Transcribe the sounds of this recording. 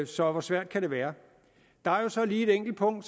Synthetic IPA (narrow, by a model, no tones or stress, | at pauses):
sɒ̽ʋɒsʋæɐ̰d̥̚kʰæɾ̥e̝ʋæːɐ | d̥ɑ̈æɐjo̝sɒ̽liːe̝d̥eŋ̰ɡ̥l̩̥̚pʰɔ̽ŋ̰d̥s